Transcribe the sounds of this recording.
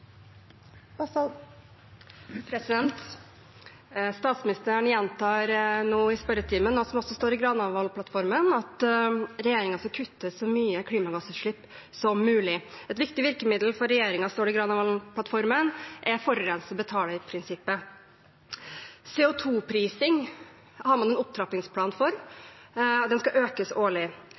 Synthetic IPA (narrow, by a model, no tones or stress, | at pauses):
pʰɾɛsɪd̪ɛnt̪ | st̪ɑːt̪smɪnɪst̪əɾəɳjɛnt̪ʰɑːɾnuːɪspœɾət̪ʰiːmənɔsɔmɔsɔst̪oːɾɪɡɾɑnɑʋʋɑlpʰlɑt̪fɔɾmənɑt̪ɾɛjeːɾɪŋɑsɑkʰʉt̪ːəsɔmyːəkʰɽiːmɑɡɑsəʂɭɪpː | sɔmːʉːlɪɛt̪ʋɪkt̪ɪʋɪɾkəmɪd̪lfɔɾɛjeːɾɪŋɑst̪oːɾɪɡɾɑnɑʋɑlpʰlɑt̪fɔɾmənʔɛɾfɔɾɔɾɛnsəbət̪ʰɑːləpʰɾɪnsɪpːə | seːʊt̪ʰuːpʰɾiːsɪŋ | hɑmɑnɛnʊp̚t̪ʰɾɑpɪŋspʰlɑːnfɔɾ | d̪ɛnskɑʔøːkəsoːɭɪ